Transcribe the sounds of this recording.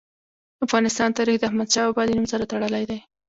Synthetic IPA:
afɣɑnɪst̪ɑnt̪ɑɾixd̪əahmad̪ʃɑabɑd̪inumsaɾat̪aɽəlajd̪aj

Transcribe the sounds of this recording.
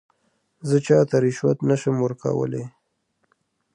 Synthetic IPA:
zət͡ʃɑt̪aɾɪʃwat̪naʃəmwəɾka̰wə̰le

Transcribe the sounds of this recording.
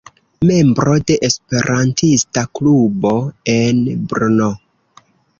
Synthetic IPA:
me̞mbɾo̞de̞ʔespe̞ɾʔantistaklubo̞e̞nbɾuno

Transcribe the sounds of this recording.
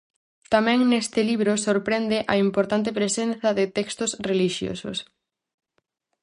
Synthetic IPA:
t̪amɛ̃ŋnest̪ɪliβɾʊsoɾpɾɛnd̪ɪʔɐimpoɾt̪ant̪̬ɪpɾesenθɐðɪt̪ɛkst̪ʊsreliʃjo̰sʊ̰s

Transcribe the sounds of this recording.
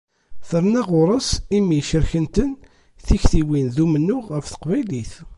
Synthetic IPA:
θəɾˤnæʁʊɾˤəsimiʃəɾçənt̪ən | θiçθiwinðumənːʊʁʁəfθə̥qvæjliθ

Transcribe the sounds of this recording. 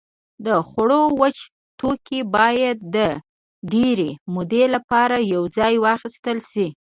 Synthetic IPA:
d̪əxɽowət͡ʃ | t̪okʰibɑjad̪̚ːə | ɖeɾemʊd̪elapɑɾajawd͡zɑjwɑxist̪əlʃi

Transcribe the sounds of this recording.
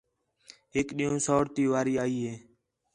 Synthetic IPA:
ɦekɗiːõːsoːɽt̪iːʋaːɾiːaːiːɦeː

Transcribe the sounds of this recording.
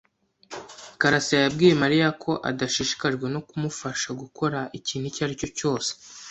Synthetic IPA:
kaɾasijajabɡiːje̞maɾijakʰo̞ʔa̰daʃiʃi̥kaʒɡwe̞no̞kumufaʃaɡuko̞ɾaʔiciːn̥hucaɾico̞co̞ːse̥

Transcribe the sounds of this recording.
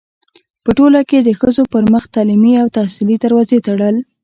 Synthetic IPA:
pəʈolaked̪əxəzopəɾməxt̪ɑlimiawt̪ahsilid̪aɾwɑzet̪aɽəl

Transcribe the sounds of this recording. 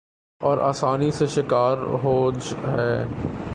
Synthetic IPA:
ɔːɾa̰ːsaːniseʃɪkaːɾɦoːd͡ʒɦɛː

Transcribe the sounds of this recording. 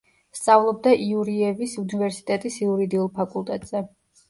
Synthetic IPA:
st̪sʼavlˠɔb̚d̪aʔiuɾiɛvisunivɛɾsi̥t̪ʼɛt̪ʼisiuɾid̪iulˠpʰakʼulˠt̪ʼɛt̪ʼz̥ɛ

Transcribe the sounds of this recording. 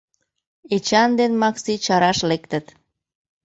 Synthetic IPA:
et͡ɕɑnd̪enmɑksit͡ɕɑɾɑʃlekt̪ət̪

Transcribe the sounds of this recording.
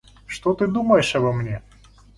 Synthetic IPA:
ʂt̪ot̪ɨd̪uməjɪʂɐbɐmnʲe

